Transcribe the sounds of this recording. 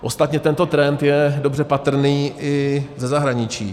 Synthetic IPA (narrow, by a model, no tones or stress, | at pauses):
ʔo̞st̪at̪ɲɛt̪ɛnt̪o̞t̪ɾɛnt̪jɛdo̞brɛpat̪r̩niːɪzɛzaɦɾaɲɪt͡ʃḭː